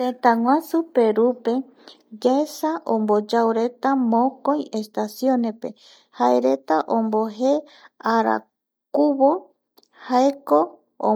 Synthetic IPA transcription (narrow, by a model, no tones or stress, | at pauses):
t̪et̪aŋʷãsupe̞ɾupe̞ | ɡasaʔõmbod͡ʒawɾe̞t̪amõkoj̃e̞st̪asjõnepe̞̰ | haḛɾe̞t̪aʔõmboɦe | aɾa̰ | kuβo | haeko̞ | o̰